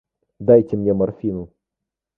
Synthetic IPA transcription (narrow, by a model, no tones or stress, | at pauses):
d̪ajtʲɪmnʲemɐrfʲinu